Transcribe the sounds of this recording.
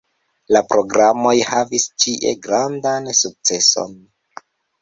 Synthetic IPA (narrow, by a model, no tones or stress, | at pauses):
lapɾo̞ɡɾamo̞jhavist͡ʃiʔe̞̰ɡɾandansuk̚t͡se̞so̰n